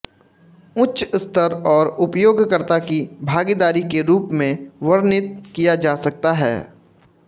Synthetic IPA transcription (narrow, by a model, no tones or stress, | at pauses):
ʊtːt͡ʃʊst̪əɾɔːɾʊpjoːɡkəɾt̪akibʱaːɡid̪aːɾikeɾuːpmẽʋəɾnɪt̪̚kijad͡ʒaːsɐk̚t̪aɦɛ̰ː